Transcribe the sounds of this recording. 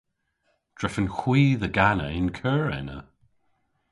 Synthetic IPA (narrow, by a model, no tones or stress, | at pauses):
d̥ɹɛfənxwiːðəɡanəɪnkʰɜːɹɛ̰nə̰